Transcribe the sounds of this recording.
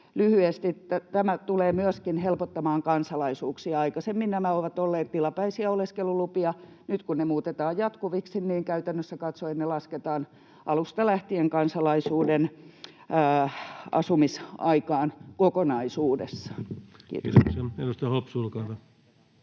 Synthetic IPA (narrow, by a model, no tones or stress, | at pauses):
lyhyest̪it̪æt̪æmæt̪uleːmyøskinhelpot̪ːɑmɑːŋkɑnsɑlɑisuːksiɑɑikɑsemːinnæmæoʋɑt̪olːeːt̪t̪ilɑpæisiæoleskelulupiɑ | nyt̪kunnemuːt̪et̪ɑːjjɑt̪kuʋiksinniːŋkæyt̪ænːøsːækɑt̪soet̪nelɑsket̪ɑːn | ʔɑlust̪ɑlæht̪ieŋkɑnsɑlɑisuːdenː | ɑ̰sumisɑikɑːnkokonɑisuːdḛsːɑ̥kḭːt̪osoksenust̪ɑhopsulkɑːt̪ɑ